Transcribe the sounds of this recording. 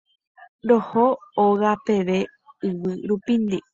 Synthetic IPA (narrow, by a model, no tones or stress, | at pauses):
ɾohooɣape̞ʋe̞ | ɨʋɨɾupind̪i